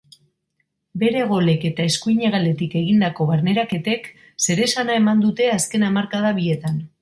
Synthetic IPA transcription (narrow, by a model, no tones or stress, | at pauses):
be̞ɾe̞ɣ̞o̞le̞ke̞t̪ae̞skuiɲe̞ɣ̞ald̪e̞t̪ike̞ɣ̞ind̪ako̞βaɾne̞ɾake̞t̪e̞k | se̞ɾe̞sanae̞mand̪ut̪e̞aske̞namaɾkað̞aβie̞t̪an